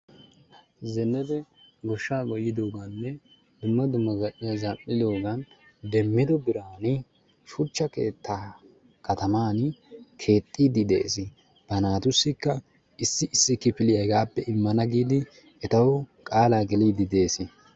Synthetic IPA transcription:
zɛnːɛd̪ɛ | ɡɔʃːaːɡɔjːɪd̪oːɡanːɛ | d̪ʊmːɐd̪ʊmːɐɡɐɗɪjɐzɐpʼːɪd̪o̞ːɡɐn | d̪ɛmːɪd̪ɔbɪɾaːnɪ | ʃʊt͡ʃːɐkḛːt̪ːa | kɐt̪ɐmaːnkʰe̞ːt̪ʼːiːd̪ɪd̪ḛːsɪ | b̥ɐnaːt̪ʊsːɪkːɐ | ɪsːɪɪsːɪkːɪpɪlɪjɐɡaːpːɛʔɪmːɐnɐɡiːd̪ɪ | ɛt̪ɐwɔkʼaːlaːɡɛliːd̪ɪd̪e̞ːsɪ

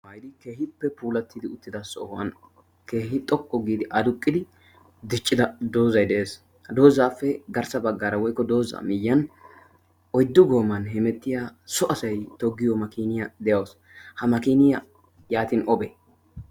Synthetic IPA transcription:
mɐjd̪ɪke̞ːhɪpːɛpuːlɐt̪ːɪd̪ɪʊt̪ːɪd̪ɐsɔ̰hɐ̰n | ke̞ːhɪt̪ʼɔkʼːɔɡiːd̪ɪʔɐd̪ʊkʼːɪd̪ɪ | d̪ɪt͡ʃʼːɪd̪ɐd̪o̞ːzɐjd̪ɛʔeːs | hɐd̪o̞ːzaːfːɛɡɐɾsɐbɐɡːaːɾɐwɔjkːɔd̪o̞ːzɐ̰mɪjːɐn | ʔɔjd̪ːʊɡo̞ːmːɐnɦɪmɛt̪ːɪjaːsɔʔɐsɐjt̪ɔɡːɪjɔmɐkiːnɪjad̪ɛjɐws | hɐmɐkiːnɪja | jaːt̪inʔɔbɛ

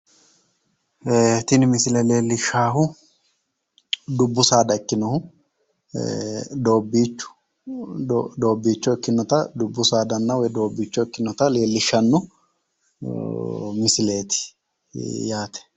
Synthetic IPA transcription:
t̪ɪnɪmɪsɪlɛleːlːɪʃːaːɦʊ | d̪ʊbːʊsaːd̪ɐɪkːɪnɔhʊ | d̪o̞ːbːiːt͡ʃːʊ̥ | d̪o̞ːbːiːt͡ʃːɔɪkːɪnːɔt̪ɐd̪ʊbːʊsaːd̪ɐnːɐwɔjd̪o̞ːbːiːt͡ʃːɔɪkːɪnːɔt̪ɐle̞ːlːɪʃːɐnːʊ | mɪsɪle̞ːt̪ɪ̥ | jaːt̪ɛ̥

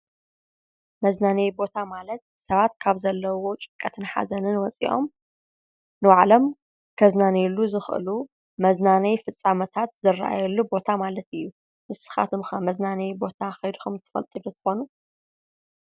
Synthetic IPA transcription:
mɐznanɐjbo̞t̪ʰamalɐt̪̚sɐβat̪kʰaβzɐlːɐwo̞t͡ʃʼɨ̥kʼːɐt̪ʰɨnħa̰zɐnɨnwɔt͡sʼḭʔo̞̰m | nɨwaʕlom | kʰɐznanɐjlːuzɨxʔɨ̰lu | mɐznanɐjfɨt͡sʼːamɐt̪ʰat̪̚zɨrːʔa̰jɛlːubo̞t̪ʰamalɐt̪ɨjːu | mɨsɨ̥xa̰t̪ʰɨmxɐmɐznanɐjbo̞t̪ʰaxɐjd̪uxɐmt̪ʰɐ̥fɐ̰lt̪ʼɨd̪ut̪ʰɨ̥xo̞nu

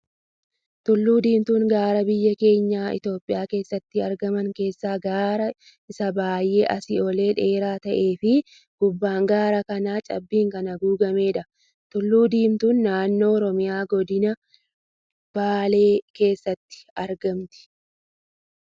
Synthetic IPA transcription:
t̪ʊlːuːd̪iːmt̪uːŋɡaːɾɐbɪjːɐke̞ːɲːaːʔɪ̰t̪jo̞ːpʼːɪjaːke̞ːsːɐt̪ːɪɐɾɡɐmɐŋke̞ːsːaːɡaːɾɐ | ʔɪsɐbaːjʔe̞ːʔɐsɪɔle̞ːᶑe̞ːɾaːt̪ɐʔe̞ːfɪ | ɡ̥ʊbːaːŋɡaːɾɐkɐnaːt͡ʃʼɐ̰bːiːŋkɐnɐɡuːɡɐme̞ːᶑɐ | t̪ʊlːuːd̪iːmt̪uːnːaːnːo̞ːɔɾɔmɪjaːɡɔd̪ɪnɐ | b̥aːle̞ːke̞ːsːɐt̪ːɪ̥ɐɾɡɐmt̪ɪ̥

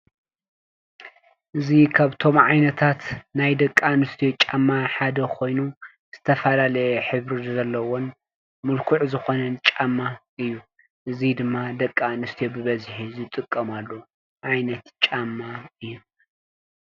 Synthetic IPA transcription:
ʔɨzikʰaβt̪ʰo̞mʕajnɐt̪ʰat̪najd̪ɐkʼːanɨst̪ʰijo̞t͡ʃʼamːaħad̪ɐkʰo̞jnu | z̥ɨt̪ʰɐfɐlalɐjɛħɨβɾizɐlːɐwon | mɨlkʰuʕzɨxo̞nɐnt͡ʃʼamːaʔɨjːu | ʔɨzid̪ɨmːad̪ɐkʼːanɨst̪ʰijo̞bɨβɐzħizɨt̪ʼɨkʼːɐmalːo | ʕajnɐt̪t͡ʃʼamːaɨjːu

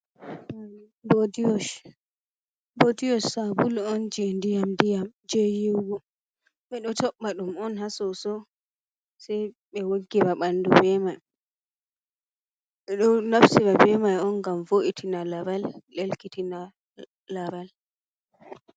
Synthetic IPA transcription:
bodijɔs | bodijɔsabulɔnd͡ʒendijamdijamd͡ʒejiwɡɔ | ɓɛɗɔtɔɓːaɗumɔnɦasɔsɔ | sɛj | ɓɛwoɡːibaɓandubɛmaj | ɓɛɗɔnafsiɓabɛmajɔnɡamvoʔitʰinalabalːelkitina | laɾal

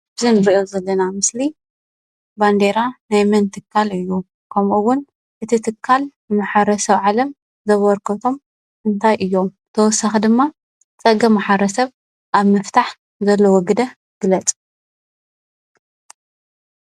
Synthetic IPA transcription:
bɨzɨnɨɾiʔozɐlːɐnamɨsli | band̪eɾanajmɐnt̪ʰɨkʰːalɨjːu | kʰɐmʔuwʊn | ʔɨt̪ʰit̪ʰɨkʰːalbɨmaħaɾɐsɐβʕalɐm | zɐβɔɾkʰɐt̪ʰo̞m | ʔɨnt̪ʰajʔɨjːo̞m | t̪ʰɐwɔsaxid̪ɨmːa | t͡sʼɐɡɐmaħɐɾɐsɐβ | ʔaβmɨft̪ʰaħ | zɐlːɐwɔɡɨd̪ɐ | ɡ̥ɨlɐt͡sʼ

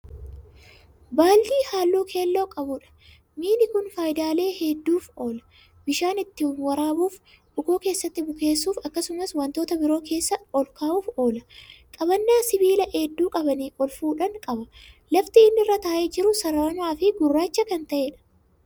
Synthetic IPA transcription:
baːlːiːhaːlːoːkʰe̞ːlːo̞ːkʼɐbʊᶑɐ̥ | miːnɪkʊnfaːjd̪aːle̞ːhɛd̪ːuːfo̞ːlɐ̥ | bɪʃaːnɪt̪ːɪwɐɾaːbuːf | ʔʊɡo̞ːke̞ːsːɐt̪ːɪbʊke̞ːsːuːfɐkːɐsʊmɐswɐnt̪oːt̪ɐbɪɾo̞ːkʰe̞ːsːɐɔlkaːuːfo̞ːlɐkʼɐbɐnːaːsɪbiːlɐʔeːd̪ːuːkʼɐbɐniːɔlfuːᶑɐŋkʼɐbɐlɐft̪ɪɪnːɪrːɐt̪ɐʔed͡ʒɪɾʊsɐɾanaːfɪɡʊrːaːt͡ʃːɐkɐnt̪ɐʔe̞ːᶑɐ̥

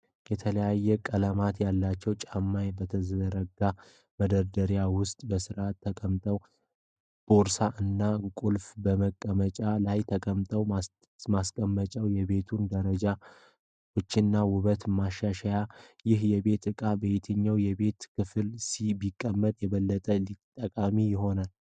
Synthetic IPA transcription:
jɛt̪ʰələjajːɛkʼələmat̪jalːat͡ʃːɛwt͡ʃʼamːajbət̪ʰəzəd̪əɾəɡa | məd̪əɾd̪əɾjawʊst̪ʼbəsɨɾʔat̪ʰːəkʼəmt̪ʼəw | b̥oɾsaʔɨnːakʼulfbəməkʼːəmət͡ʃʼalajt̪ʰəkʼəmt̪ʼəw | maskʼəmːət͡ʃʼəwjɛβe̞t̪ʰund̪əɾəd͡ʒa | wot͡ʃːɪnːawʊβət̪maʃaʃajajɪɦjɛβe̞t̪ɨkʼabəjet̪ʰəɲːawjɛβe̞t̪kʰɨfɨlsibɪkʼːəmːət̪ʼjɛβəlːət̪ʼəlit̪ʼːəkʼamijɪɦo̞nal

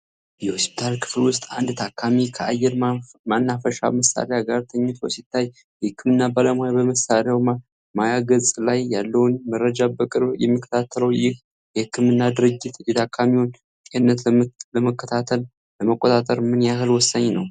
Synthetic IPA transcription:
jɛhospi̥t̪ʰalkʰɨ̥flwʊst̪ʼand̪t̪ʰakʰːamikʰəajːɛɾmanːafəʃa̰məsa̰leaɡaɾt̪ʰəɲːɛt̪bo̰sit̪ʰːaj | jɛhɨkːɨmɨnːabaləmoabəməsaleawma | majaɡəzʼlajːalːəwnməɾəd͡ʒabəkʼɨɾjɛ̰mːikʰːə̥t̪ʰat̪ʰːələwjɪh | jɛhɨkːɨmɨnːad̪ɨɾɨd͡ʒːɪt̪jɛt̪ʰakʰːamiwon | kʼenːət̪ləməkʰːət̪ʰat̪ʰəl | ləməkʼːot̪ʼat̪ʼəɾmɨnjaɦɨlwɔsːaɲːnəw

